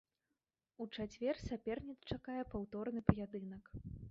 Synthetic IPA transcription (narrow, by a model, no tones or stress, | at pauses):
ut͡ʂat͡sʲvʲɛrsʲapʲɛrnʲit̪st͡ʂakajɛpawt̪ɔrnɨpɐjad̪ɨnɐk